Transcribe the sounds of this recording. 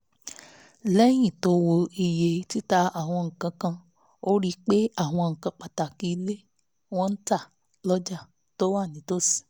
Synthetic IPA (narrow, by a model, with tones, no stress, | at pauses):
lɛ˦j̃ĩ˦˨to˧˦wo˧i˨je˨˦ti˦ta˧a˦˨w̃ɔ̃˧ŋ̩˨kã˧kã˧ | o˦ɾi˦k͡pe˦a˦˨w̃ɔ̃˧ŋ̩˨kã˧k͡pa˨ta˨ki˧˦˧le˦ | w̃ɔ̃˦n̩˦ta˦˨ | lɔ˦d͡ʒa˦˨ | to˦wa˦˨nĩ˨˦to˦˨si̥˨